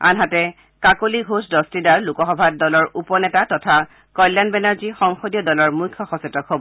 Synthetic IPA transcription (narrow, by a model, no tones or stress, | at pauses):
a̰nɦatɛ | kakoliɡʱosdɔstidaɹlukɔxɔbʱat̚dɔlɔɹupɔnɛtatɔtʰa | kɔjlːanbɛnaɹzixɔŋxodijɔdɔlɔɹmujkʰːɔxɔsɛtɔkɦobɔ